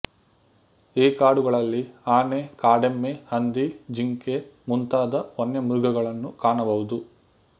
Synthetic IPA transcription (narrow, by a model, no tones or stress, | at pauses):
iːkaːɽuɡɐɭɐlːiaːnekaːɖemːehɐnd̪id͡ʒiŋkemunt̪aːd̪ɐonjɐmɾuɡɐɡɐɭɐnːukaːɳɐbɐʋud̪u